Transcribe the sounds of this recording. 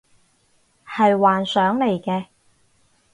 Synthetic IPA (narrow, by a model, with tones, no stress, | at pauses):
hɐ˨jwaː˨nsœː˨˥ŋle˨˩jkɛː˧